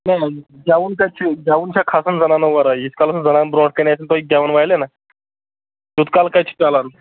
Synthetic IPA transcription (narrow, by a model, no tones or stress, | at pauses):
najɡaʋuːnkajt͡ɕʰiɡaʋunt͡ɕʰakʰasənd͡zənanəʋaɾajit͡skalsənd͡zənanbɾɔɽkənajsʰənt̪ɔiɡaʋənʋajlena | d͡ʑut̪kalkajt͡ɕʰi̥talan